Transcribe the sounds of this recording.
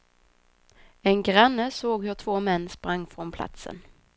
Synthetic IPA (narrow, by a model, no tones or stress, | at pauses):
ɛnɡɾanːəsoːɡhɵt̪ʰvoːmɛnːspɾaŋːfɾɔnpʰla̰t̪sə̰n